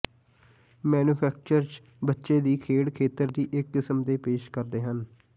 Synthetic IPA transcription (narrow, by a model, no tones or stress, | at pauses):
mɛːnuːpʰɛːk̚t͡ʃəɾt͡ʃ | bətːʃeːd̪iːkʰeːɽkʰeːt̪əɾd̪iːʔɪkːɪsəmd̪eːpeːʃkəɾd̪eːɦən